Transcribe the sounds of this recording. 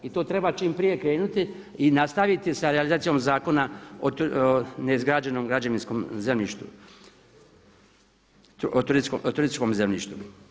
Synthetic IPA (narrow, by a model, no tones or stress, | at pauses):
it̪o̞ːt̪ɾe̞bat͡ʃiːmpɾije̞kɾe̞ːnut̪i | inast̪aʋit̪isaɾealizaːt̪sijo̞mzaːko̞nao | ne̞izɡɾaːd͡ʑe̞nomɡɾad͡ʑaninskoːmzemnʲiʃt̪ṵ | ot̪uɾikoʔot̪uɾist̪i̥t͡ʃkomzemlʲḭʃt̪u